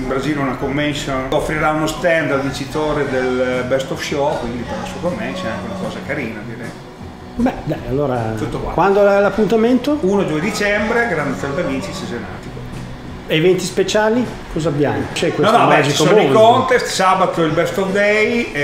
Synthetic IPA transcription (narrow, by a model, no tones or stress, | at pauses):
imbɾaziːlunakoɱːɛnsjonofɾiɾaunost̪ɛnd̪alvit͡ʃit̪oːɾed̪elbɛst̪ofʃɔkwind̪iperlasuakomːɛnsonaŋkeunakɔːzakaɾiːnad̪iɾɛ̰j | bɛd̪ajalːoːɾat̪ut̪ːokwa̰kwand̪oalapːunt̪ament̪ouːnod͡ʒuːed̪it͡ʃɛmbɾeɡɾand̪ɔnd̪avint͡ʃisezena̰ːt̪iko | evɛnt̪ispet͡ʃaːli | kʰɔzabjamot͡ʃɛkwenɔsnomad͡ʒit̪ooikont̪est̪sabat̪oilbɛst̪ovd̪ɛj